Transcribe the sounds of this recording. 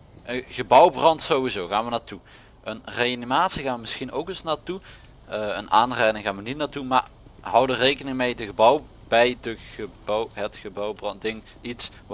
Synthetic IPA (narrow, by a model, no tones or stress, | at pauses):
ʔəɣəbʌwbrɑntsowʋizowɣaːnʋənaːɹtu | ʔənrejanimaːtsiɣaːnəmɪsxinowkəsnaːtu | ə̰nʔaːnrɛjdɪŋɣaːnʋənit̚naɹtuma̰ːrɦʌwdərejkənɪŋəmejdəɣəbɑw | b̥ɛjdəɣəbwɦətxəbɔwbrɑndɪŋ | its